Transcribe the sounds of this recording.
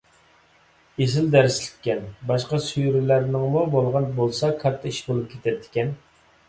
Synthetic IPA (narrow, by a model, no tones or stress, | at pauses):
ezɪld̪æɾɪslɪ̥k̪ʲːɛnbɑʃqɑsyjɾɪlæɾnɪŋmubolˠʁɑnbolˠsɑkʰɑɾt̪ʰːɑiʃbolˠup̚kʲʰet̪ʰɛt̪ʰːɪ̥kʲɛn